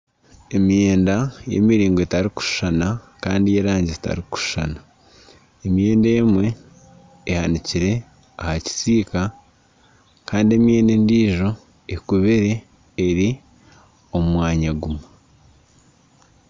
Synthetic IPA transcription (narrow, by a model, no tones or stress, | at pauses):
e̞mijeːndaje̞̰miɾiːŋɡoetaɾiku̥ʃu̥ʃana | kaːndijeɾaːɲɟita̰ɾiku̥ʃu̥ʃa̰na | emje̞ːndeːmwe̞ː | haniciɾe̞ | ahaci̥siːka | kaːndie̞mje̞ːndendiːʒo̞ | ekuβeɾeː | ɾi | o̞mumwaːɲaɡumu